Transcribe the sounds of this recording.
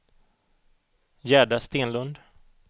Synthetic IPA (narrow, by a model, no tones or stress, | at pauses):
jæːɖast̪eːnlɵnd̪